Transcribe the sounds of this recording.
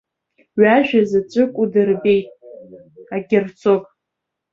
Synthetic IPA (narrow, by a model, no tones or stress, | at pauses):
ɥaʒᶣazat͡ʃʷʼɨkʷʼudɨrbejtʼ | aɡʲɪrt͡sʰokʼ